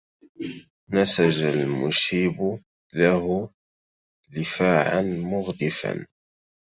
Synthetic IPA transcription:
næsaʒəlmʊʃiːbʊ | lahʊ | lɪfaːʕanmʊɣd̪ɪfa̰n

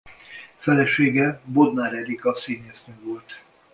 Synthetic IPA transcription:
fɛlɛʃeːɡɛbod̪naːɾɛd̪ikɒsiːɲeːsnøːvo̞lt̪

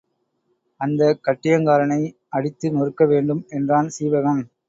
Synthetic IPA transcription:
ɐnd̪ɐkɐʈːɪjɐŋkaːɾɐnɐɪ | ɐɽɪt̪ːɯnɔɾɯkːɐʋeːɳɖɯmɛndraːnsiːʋɐɣɐn

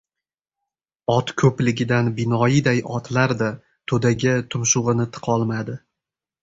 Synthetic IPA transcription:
ɒt̪kʰɵplɪɡʲɪd̪anbɪnɒjɪd̪ajʔɒt̪ʰlaɾd̪a | t̪ʰɵd̪aɡʲɪt̪ʰʊmʃʊʁɨnɪt̪ʰɨ̥qʰɒlˠmad̪ɪ

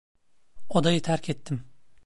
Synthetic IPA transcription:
od̪ɑjit̪ʰæɾkʲʰet̪ːɪm

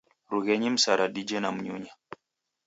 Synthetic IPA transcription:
ɾuɣɛɲim̩saɾʔaɗid͡ʒɛnam̩ɲuɲa

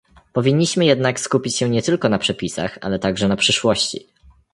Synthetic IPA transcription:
pɔvʲiɲːiɕmɘjɛd̪nakskupʲit͡ɕɕɛ̃ɲɛt̪ɘlkɔnapʂɛpʲisa̰xa̰lɛt̪aɡʐɛnapʂɘʂwɔɕt͡ɕḭ

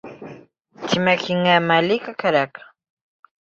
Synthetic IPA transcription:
t͡ʃɪmakɪŋamalɪkakaɾak

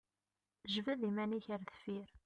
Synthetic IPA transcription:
ʒvæðimæniçəɾθəfiɾ

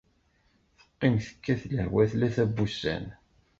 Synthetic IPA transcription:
θə̥qːɪmθə̥kːæθlə̰hwæθlæθæbːusæ̰n

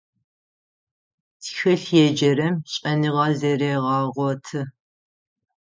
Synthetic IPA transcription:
tʰxɨɬjɛd͡ʒɐɾɐmɕʼɐnɨʁɑzɐɾeːʁɑːʁʷɔtʰɨ

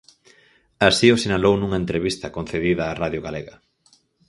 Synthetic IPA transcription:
asiʊsinalownũŋɐent̪ɾeβist̪ɐkon̟θeðiðɐːraðjʊɣaleɣɐ

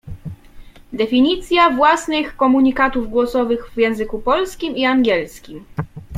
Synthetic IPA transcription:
d̪ɛfʲiɲit̪sʲjavwasnɘxkɔmuɲikat̪uvɡwɔsɔvɘɣvjɛ̃w̃zɘkupɔlskʲimiaŋɡʲjɛlskʲim

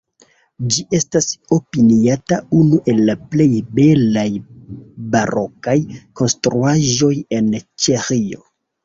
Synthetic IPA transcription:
d͡ʒiʔe̞staso̞piniataunuʔe̞lːaple̞jbe̞laj | baɾʔo̞kajko̞nstɾuaʒo̞je̞nt͡ʃexio̞̰

